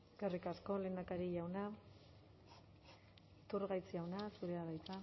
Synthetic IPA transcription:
eskerikasko̞le̞ːnd̪akaɾiʎawna | t̪uɾɣajt͡siawnasuɾe̞aβajt̪a

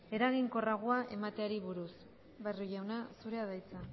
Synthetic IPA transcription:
e̞ɾaɣiŋko̞raɣ̞oaʔe̞mat̪e̞aɾiβuɾus | βeruʝawnasuɾe̞að̞ajt͡sa

